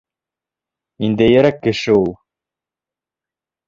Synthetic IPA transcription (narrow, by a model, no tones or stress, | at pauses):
ind̪æjeɾækːɘ̆ʃɪulˠ